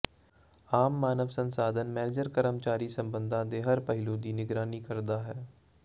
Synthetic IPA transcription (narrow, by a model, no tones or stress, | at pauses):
aːmːaːnəʋsə̃nsaːd̪ʱənmɛːnɪd͡ʒəɾkəɾəmt͡ʃaːɾiːsə̃mbə̃nd̪ʱãːd̪eɦəɾpəɦɪluːd̪iːnɪɡɾaːniːkəɾd̪aːɦɛː